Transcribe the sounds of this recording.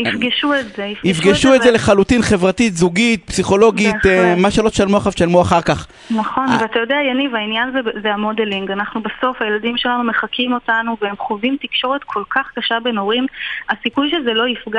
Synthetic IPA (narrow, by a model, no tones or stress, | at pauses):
ifɡiʃuetzeifɡifɡeʃuetdzeleχalutinχe̞vʁat̪it̪zuɡit̪̚psiχo̞lo̞ɡitmaʃalo̞t̪ʃalmoaχafʃalmoaχaʁkaχ | naχo̞nvat̪ajo̞d̪eajanivainjanzezeamo̞deliŋɡanaχnubeso̞fhajelad̪imʃe̞lanume̞χakʰimo̞t̪anuveemχovimt̪ikʃo̞ʁe̞t̪kʰo̞lkʰaχkaʃabe̞no̞ʁimasikujʃezelo̞ifɡa